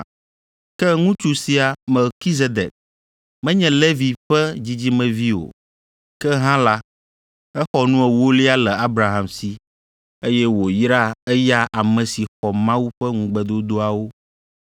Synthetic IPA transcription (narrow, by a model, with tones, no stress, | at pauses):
kɛ˦ŋũ˦t͡ʃu˨si˨a˨mɛ˨lki˦ze˦d̪ɛ̰˨k̚ | mɛ̃˦ɲɛ̃˨le˦vi˨ɸɛ˦d͡ʑi˦d͡ʑi˦mɛ̃˨vi˦o̰˨ | kɛ˦ɦã˦la˦ | ɛ˦xɔ˨nũ˦ɛ˨wo˦li˦a˦lɛ˨a˦bɾa˨ɦã˨msi˨ | e˦jɛ˦wo˨jɾa˦ɛ˦ja˦ʔa˨mɛ̃˨si˨xɔ˨mã˦wu˦ɸɛ˦ŋũ˨ɡ͡bɛ˦d̪o˦d̪o˦a˨wo˦